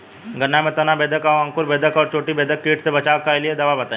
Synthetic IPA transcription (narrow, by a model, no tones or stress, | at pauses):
ɡɐnːamẽt̪ɐnabeːd̪ʱəkɔɾɐ̃ŋkʊɾbeːd̪ʱəkɔːɾt͡ʃʰoːʈibeːd̪ʱəkʈeːʈsebɐt͡ʃaːkaelied̪ɐʋabɐt̪aːẽ